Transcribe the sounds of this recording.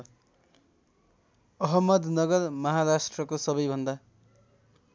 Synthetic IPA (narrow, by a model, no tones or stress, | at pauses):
ʌɦʌmːʌd̪nʌɡʌrmʌɦaɾasʈrʌkosʌbʌjbʱʌnd̪a